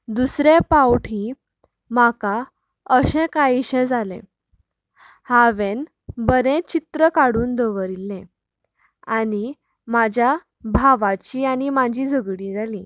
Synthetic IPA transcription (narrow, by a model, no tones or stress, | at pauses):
d̪usɾepawʈʰi | maka | əɕɛ̃kaiɕɛ̃d͡zalḛ̃ | haʋen | bəɾẽt͡ɕit̪ɾəkaɽuːnd̪əʋəɾilːɛ̃ | ani | mad͡ʑʱja | bʱaʋat͡ɕiːanimad͡ʑiːd͡zəɡɽĩd͡zalĩ